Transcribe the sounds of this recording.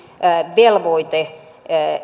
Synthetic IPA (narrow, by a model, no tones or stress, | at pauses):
ʋelʋoit̪e